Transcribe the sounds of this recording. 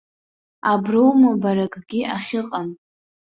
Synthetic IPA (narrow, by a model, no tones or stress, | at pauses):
abrowmabaɾakʼɡʲiʔaχʲɪqʼam